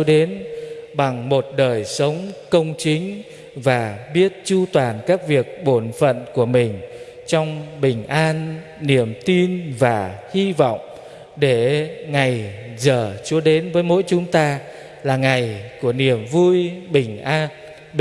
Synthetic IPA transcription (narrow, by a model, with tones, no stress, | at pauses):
ɗe˨˦nɓa˨˩ŋmo˨˩t̚ɗəː˨˩jsə˨˦wŋ͡mkə˧wŋ͡mt͡ɕï˨˦ŋ̟ | vaː˨˩ɓi˦˥ət̚t͡ɕu˧t̪waː˨˩nkaː˦˥k̚vi˨˩ək̚ɓo˧˩nfə̰˧˨nku˧˩əmï˨˩ŋ̟ | t͡ɕɔ˧wŋ͡mɓï˨˩ŋ̟ʔaː˧nː | i˨˩əmt̪i˧nvaː˨˩hi˧vɔ̰˧˨wŋ͡m | ɗe˧˩ŋa˨˩jzəː˨˩t͡ɕu˧˦əɗe˨˦nvəː˨˦jmo̰˧˥jt͡ɕʊ˨˦ŋ͡mt̪aː˧ | laː˨˩ŋa˨˩jku˧˩əni˨˩əmvu˧jɓï˨˩ŋ̟ʔaː˧n